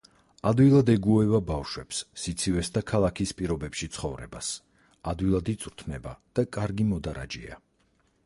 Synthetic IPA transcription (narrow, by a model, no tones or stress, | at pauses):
ad̪wilˠad̪ɛɡuɛvabafʃwɛpsːit̪sʰivɛsd̪akʰalˠakʰispʼiɾɔbɛpʃit̪sʰχɔvɾɛ̰bas | ad̪wilˠad̪it̪sʼɾt̪ʰnɛba̰d̪̥akʼaɾɡimɔd̪aɾa̰d͡ʒḭa̰